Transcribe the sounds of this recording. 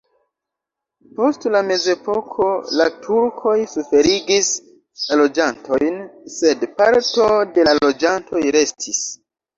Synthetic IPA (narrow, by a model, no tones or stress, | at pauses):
po̞stlame̞ze̞po̞kʰo̞latʰuɾkʰo̞jsufe̞ɾiɡis | alo̞d͡ʒantʰo̞jnse̞dpaɾto̞de̞lalo̞d͡ʒanto̞jɾe̞stʰis